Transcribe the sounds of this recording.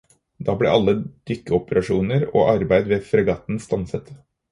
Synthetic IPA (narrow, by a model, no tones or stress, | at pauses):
d̪ɑːblɛ̰ʔɑlːəd̪̥ʏkːəɔpəɾɑʂuːnəɾo̰ːʔɑɾbæɪd̪ʋeːfɾəɡɑːt̪n̩st̪ɑnsət̪